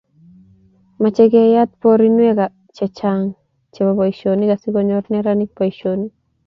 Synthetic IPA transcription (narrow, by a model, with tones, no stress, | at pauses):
mat͡ʃɛ˦ɡɛ˦ja˦t̪̚po˦ɾinwɛ˦ka˨ | t͡ʃɛ˨t͡ʃaŋ | t͡ʃɛ˨ba˨ba˨iʃonika˨sikɔ˨ɲɔ˦rnɛɾani˦k̚pɔ˨iʃoni˦